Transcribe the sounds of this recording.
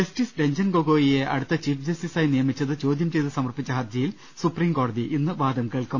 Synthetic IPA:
esʈisɖeɲd͡ʑɐnɡo̞ɡoːjije̞ʔɐ̰ɽut̪ːɐt͡ɕiːfd͡ʑɐsisaːjnijɐmit͡ɕːɐðɨt͡ɕo̞ːd̪jɐmt͡ɕejðɨsɐmɐrpit͡ɕːɐɦɐd̪jɐjil | supriːmko̞ːɽɐðiʔinːɨʋaːd̪ɐmkeːɭkɐm

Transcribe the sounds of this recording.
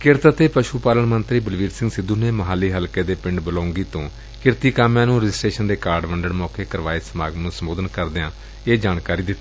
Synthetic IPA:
kɪɾt̪at̪eːpəʃuːpaːləɳmənt̪ɾiːbəlʋiːɾsɪ̃ŋɡsɪd̪uːneːməɦaːlːiːɦəlkeːd̪eːpɪ̃ɳɖbəlaːʊŋɡiːt̪õː | kɪɾt̪iːkaːmjãːnũːɾəd͡ʒɪsʈɾeːʃənd̪eːkaːɾɖʋəɳɖəɽmɔːkeːkəɾʋaːeːsəmaːɡnũːsəmboːd̪ənkəɾd̪ɪãː | eːd͡ʒaːnkaːɾiːd̪ɪt̪ːiː

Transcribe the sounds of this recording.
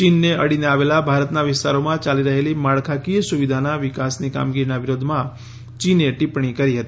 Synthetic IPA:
t͡ʃinːeə̰ɽineaʋelabʱaɾət̪naʋɪst̪aɾomãt͡ʃaliɾəɦelimaɭkʰakijəsuʋid̪ʱanaʋɪkasnika̰mɡiɾinaʋɪɾod̪ʱmã | t͡ʃineʈipɳikəɾiɦət̪i

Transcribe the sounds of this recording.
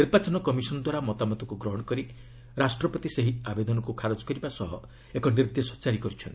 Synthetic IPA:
niɾbat͡ʃɔnɔkɔmisɔnɔd̪waɾamɔt̪amɔt̪ɔkuɡɾɔɦɔɽ̃ɔkɔɾi | ɾasʈɾɔpɔt̪iseɦiabed̪ɔnɔkukʰaɾɔd͡ʒɔ̥kɔɾibasɔɦɔ | ekɔniɾd̪esɔ̥t͡ʃaɾikɔɾit͡ʃʰɔnt̪i̥

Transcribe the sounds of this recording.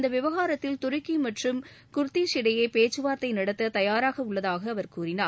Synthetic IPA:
nd̪ɐʋɪʋɐɣaːɾɐt̪ːɪlt̪ʊɾɯkːimɐʈrɯmkʊɾt̪ːisɪɽɐjɐɪpeːt͡ʃːɯʋaːɾt̪ːɐɪnɐɽɐt̪ːɐt̪ɐjaːɾaːɣɐʊɭːɐðaːɣɐːʋɐɾkuːrɪnaːɾ

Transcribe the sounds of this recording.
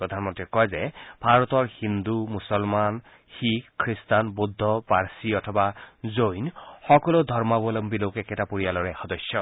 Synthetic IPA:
pɹɔd̪ʱanmɔntɹikɔjzɛbʱaɹɔtɔɹhind̪umusɔlman | xikkʰɹistanbud̪ʱːɔpaɹsiɔtʰɔbazojnxɔkɔlodʱɔɹmabɔlɔmbilokɛkɛtapuɹijalɔɹɛxɔdɔsjɔ

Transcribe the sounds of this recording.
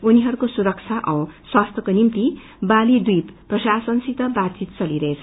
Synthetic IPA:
uniɦʌɾukosuɾʌk̚t͡sʰaʔʌ̃w̃swast̪ʰʌkonimt̪i | balid̪ujpprʌsasʌnsit̪ʌbat̪̚t͡sit̪t͡sʌliɾʌɦet͡sʰʌ

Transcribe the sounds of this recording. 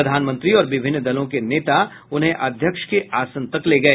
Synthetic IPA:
ɐd̪ʱaːnmə̃nt̪ɾiɔːɾʋɪbʱɪnːd̪ɐlõkeneːt̪a | ʊnɦẽʔɐd̪ʱjəkʃkeʔaːsə̃nt̪əkleːɡɐeː

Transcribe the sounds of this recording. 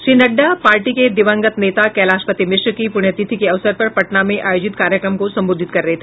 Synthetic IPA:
ʃɾiːnɐɖːapaːɾʈiked̪ɪʋə̃ŋɡət̪neːt̪akɛːlaːʃpət̪imɪʃwkipʊɽ̃jət̪it̪ʰikeɐʋsəɾpɐɾpɐʈnamẽʔaːjoːd͡ʒɪt̪kaːɾjəkɾəmkosɐ̃mboːd̪ʱɪt̪̚kɐɾːɐɦet̪ʰe̥

